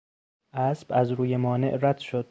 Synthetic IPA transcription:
ʔæsb̥æzɾuːjemɒːne̞̰ʔɾæd̪̥ʃod̪̥̚

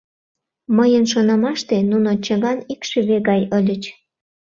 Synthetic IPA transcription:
məjənʃonɑmɑʃt̪enunot͡ɕəɣɑnikʃyβeɣɑjəlʲət͡ɕ

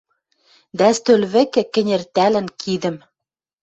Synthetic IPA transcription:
d̪æst̪ølβɘ̆kɘ̆kɘ̆nʲĕrt̪ælɘ̆nkʰid̪ɘ̆m

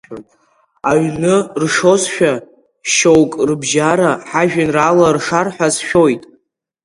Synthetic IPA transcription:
aɥnɨrʂo̞zʃᶣa | ʃowkʼrɨbʒaɾaħaʒᶣanralarʂarħʷᶣazʃᶣo̞jtʼ

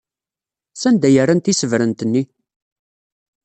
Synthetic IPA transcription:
sænd̪æjərːænt̪isəvɾənt̪ənːi

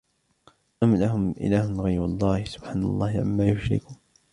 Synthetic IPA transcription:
ʔamlaɦʊmʔɪ̰laːhʊnɣajɾwɑlˤːɑːhɪsʊb̥ħaːnɑ̰lˤːɑːhɪʕa̰mːaːjʊʃɾɪ̰kuːn

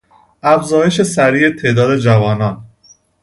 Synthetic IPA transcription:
ʔæfzɒːje̞ʃe̞sæɾiːet̪ʰe̞ːd̪ɒːd̪e̞d͡ʒævɒːnɒːn

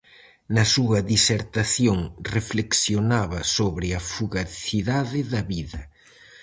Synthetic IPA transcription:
nɐsuɐðiseɾt̪aθjoŋrefleksjonaβɐsoβɾɪɐfuɣaθiðaðɪðɐβiðɐ

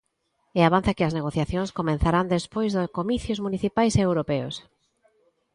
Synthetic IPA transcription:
eaβ̞an̟θɐkɪɐzneɣoθjaθjõŋskomẽn̟θaɾand̪espojzðʊkomiθjʊzmuniθipajseewɾopɛʊ̰s

